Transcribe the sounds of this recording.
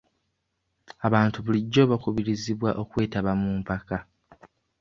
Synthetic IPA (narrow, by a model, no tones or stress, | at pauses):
aβaːntuβuliɟːo̞ːβakuβiɾiziβwaʔo̞kwe̞ːtaβamuːmpaka